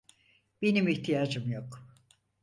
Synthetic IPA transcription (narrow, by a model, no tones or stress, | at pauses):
b̥e̞nimiçt̪ʰijaːd͡ʒɯmjok